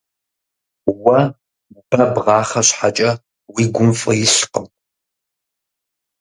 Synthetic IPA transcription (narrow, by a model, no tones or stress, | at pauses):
wɐ | b̥ɐbʁɑːχɐɕħat͡ʃʼɐ | wiːɡʷʊmfʼɐjɪɬqə